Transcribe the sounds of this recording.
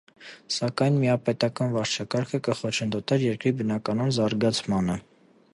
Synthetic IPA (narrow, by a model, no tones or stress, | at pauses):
sɑkɑjnmiɑpɛt̪ɑkɑnvɑɾt͡ʃʰɑkɑɾkʰəkəχɔt͡ʃʰənd̪ɔt̪ɛɾjɛɾkɾibənɑkɑnɔnzɑɾɡɑt͡sʰmɑnə